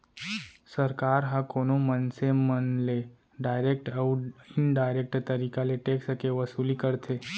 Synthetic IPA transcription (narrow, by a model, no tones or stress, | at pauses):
sɐɾkaːɾɦãkoːnomənsemənle | ɖaːɪɾeːk̚ʈəːɪnɖaːɪɾeːk̚ʈt̪ɐɾiːkaleʈeːksəkeʋɐsuːlikɐɾt̪ʰeː